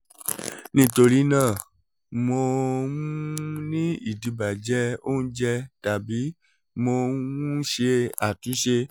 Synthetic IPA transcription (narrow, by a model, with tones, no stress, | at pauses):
nĩ˦˨to˧ɾi˦nãː˦˨ | mo˧mũ˦ũ˦nĩ˦i˦˨di˨˦ba˨d͡ʒɛ˨˦o˦nũ˦d͡ʒɛ˧ta˨bi˨˦ | mo˧wũ˦ʃe˧a˨tũ˨˦ʃe˧